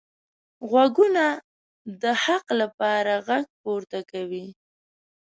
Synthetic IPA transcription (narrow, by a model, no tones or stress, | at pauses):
ɣwaɡuna | d̪əhaqlapɑɾaɣaɡ̚poɾt̪akawi